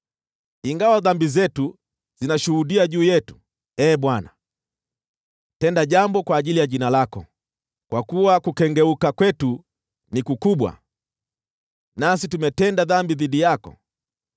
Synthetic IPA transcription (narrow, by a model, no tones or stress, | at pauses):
iŋɡawaðambizɛtu | zinaʃuhuɗiaʄuːjɛtu̥ | ɛːɓwana | tɛndaʄambɔkwaːʄilijaʄinalakɔ̰ | kwakuwakukɛŋɡɛukakwɛtu | nikukuɓwa̰ | nas̬itumɛtɛndaðambiðiɗijakɔ̰